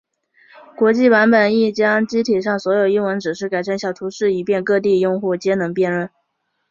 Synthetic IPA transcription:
kwɔ˧˥t͡ɕi˥˩pa˧˥npə˨˩ni˥˩t͡ɕjɑ˥ŋt͡ɕi˥t̪ʰi˨˩ʂ̬ɑ˥˩ŋswɔ˧˥jo˨˩ʊi˥ŋwə˧˥nʈ͡ʂɻ̩˨˩ʂɻ̩˥˩ka˨ɪʈ͡ʂʰa˥˩nɕjɑ˨˩ʊt̪ʰu˧˥ʂɻ̩˥˩i˨˩pjɛ˥˧nkɤ˥˧t̪̬i˥˧jʊ˥˧ŋxu˥˩t͡ɕjɛ˥nɤ˧˥ŋpjɛ˥˧nɻwə˥˩n

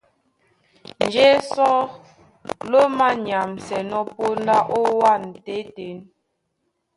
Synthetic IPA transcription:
n˨d͡ʒe˦sɔ˦ | lo˦ma˦ɲa˨msɛ˨nɔ˦po˦n˦da˦ʔo˦wa˦˨n̩˨te˨˦te˨˦n

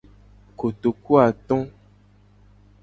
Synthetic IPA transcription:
ko˨t̪o˨ku˦a˨t̪ɔ̃˦

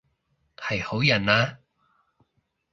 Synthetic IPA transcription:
hɐ˨jho˨˥wjɐ˨˩naː˧˥

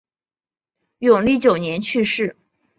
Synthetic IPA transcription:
jʊ˨˩ŋli˥˩t͡ɕjo˨˩ʊnjɛ˧˥nt͡ɕʰy˥˧ʂɻ̩˥˩

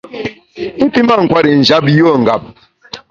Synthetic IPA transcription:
i˦pi˦ma˦˨ŋ̩˨kwa˦ɾi˨n̩˨d͡ʒa˦pjo˦˨ŋ̩˨ɡa˨p̚

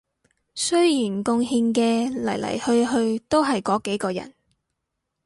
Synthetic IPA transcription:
sɵ˥ɥjiː˨˩nkʊ˧ŋhi˧ŋkɛː˧lɐ̰˨˩jlɐ̰˨˩jhɵ˧ɥɦɵ˧ɥt̪o˥wɦɐ˨jkɔː˨˥ke˨˥jkɔː˧jɐ̰˨˩n

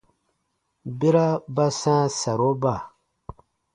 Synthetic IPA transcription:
bi˦ɾa˦ba˦sãː˦sa˨ɾo˦ba˦˨

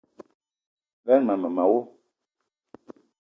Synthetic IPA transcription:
vɛ˦nma˨mə˨ma˨wo˦

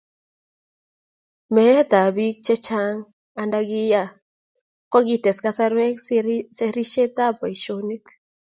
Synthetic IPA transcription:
mɛ˨e˦t̪a˨bi˦k̚t͡ʃɛ˦t͡ʃa˦ŋ | a˨nda˦ɡi˦ja˦ | kɔ˦ɡi˨t̪ɛ˨ska˦sa˦ɾwe˦se˦ɾi˦ʃe˦t̪a˦pɔ˨i˨ʃo˦ni˦k

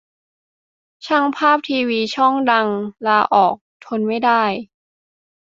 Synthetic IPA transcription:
t͡ɕʰa˥˩ŋpʰaː˥˩p̚t̪ʰiː˧wiː˧t͡ɕʰɔ˥˩ŋda˧ŋlaː˧ʔɔː˨˩k̚t̪ʰo˧nma˥˩jdaː˥˩j

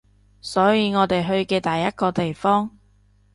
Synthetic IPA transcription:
sɔː˨˥jiː˨˧ŋɔː˨˧t̪e˨jɦɵ˧ɥkɛː˧t̪ɐ˨jːɐ˥t̚kɔː˧t̪e˨jfɔː˥ŋ

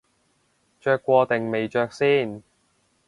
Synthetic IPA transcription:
t͡ʃœː˧kʷːwɔː˧t̪e˨ŋme˨jt͡ʃœː˧k̚siː˥˩n

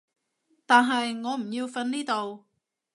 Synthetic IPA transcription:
t̪aː˨nɦɐ˨jŋɔː˨˧m̩˨˩ji˧wfɐ˧nniː˥t̪o˨w

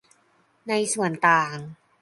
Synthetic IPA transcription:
na˧jsu˨˩ənt̪aː˨˩ŋ

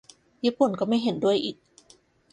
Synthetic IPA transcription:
jiː˥˩pu˨˩nkɔː˥˩ma˥˩jɦe˨˩˦ndu˥˩əjʔiː˨˩k̚

